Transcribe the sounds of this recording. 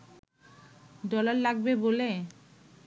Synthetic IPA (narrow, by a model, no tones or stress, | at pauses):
dɔlaɾlaɡbebole